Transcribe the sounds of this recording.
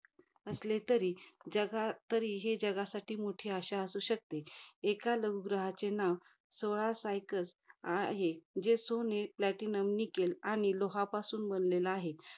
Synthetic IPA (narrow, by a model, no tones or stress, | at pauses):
əslet̪əɾiːd͡ʑəɡat̪əɾiːɦed͡ʑəɡasaʈiːmoʈʰiːaɕaəsuːɕək̚t̪eekaləɡuɡɾəɦat͡senaʋ | soɭasajkəlsaɦed͡ʑesoneplæʈinəmnikelaɽ̃iloɦapasuːnbənleləaɦe